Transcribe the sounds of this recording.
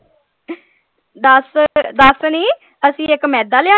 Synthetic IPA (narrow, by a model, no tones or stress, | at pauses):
d̪əsd̪əsniː | əsĩːɪkmɛːd̪aːlɪãː